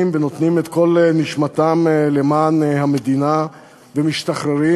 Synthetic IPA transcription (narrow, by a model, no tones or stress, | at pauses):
mveno̞t̪nimet̪ko̞lniʃmat̪amle̞maːnhamed̪ina | vemiʃt̪aχɾeɾi